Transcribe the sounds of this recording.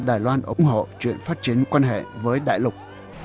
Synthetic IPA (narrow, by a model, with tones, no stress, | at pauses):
ɗaː˨˩jlwaː˧nʔə̰˨˧ŋ͡mɦo̰˧˨t͡ɕwḭ˧˨ənfaː˦˥t̚t͡ɕi˨˦ənkwaː˧nɦḛ˧˨vəː˨˦jɗa̰ː˧˨jlʊ˨˩k͡p̚